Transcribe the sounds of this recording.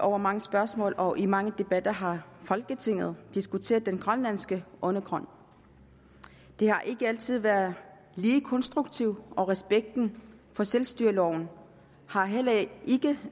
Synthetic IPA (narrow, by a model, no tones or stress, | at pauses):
ɒʊ̰ɐmɑ̈ŋəsb̥ɶɐsmɔ̰̽ːlɒ̽ʔimɑ̈ŋəd̥e̝b̥æd̥ɐɦɑ̈fɒ̽lɡ̥ət͡sʰe̝ŋ̰ð̞̩ˠd̥isɡ̥ut͡sʰe̝̰ːɐðˠd̥enɡ̥ʁɶnlæn̰sɡ̥əʔɔ̽nəɡ̥ʰʁɒ̽n̰ | d̥e̝hɑ̈ʔe̝ɡ̥əæl̰t͡sʰið̞̰ˠʋæɐð̩ˠ | liːkʰɒ̽nsd̥ʁuɡ̥̚t͡sʰiʊ̰ɒ̽ʁɛsb̥eɡ̥̚d̥n̩ | fɒ̽selsd̥yɐlɒʊ̰n̩ | hɑ̈ɦel̰ɐʔe̝ɡ̥ə